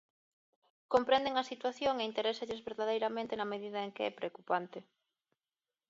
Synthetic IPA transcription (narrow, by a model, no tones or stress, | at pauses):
kompɾend̪eŋɐsit̪waθjoŋeint̪eɾɛsaʎezβeɾðaðejɾamẽnt̪ɪnɐmeðiðɐeŋkeɛpɾeokupant̪ɪ